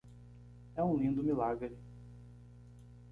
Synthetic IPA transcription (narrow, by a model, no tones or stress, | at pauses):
ɛũlĩnd̪ʊmilaɡɾɪ